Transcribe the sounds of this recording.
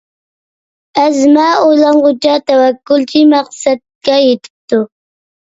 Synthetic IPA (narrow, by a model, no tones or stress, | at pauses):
æzmæːojlˠɑɴʁʊt͡ʃɑt̪æwækːʊlˠt͡ʃʰimæqsɛd̪̚kʲɛjet̪ʰɪ̥p̚t̪u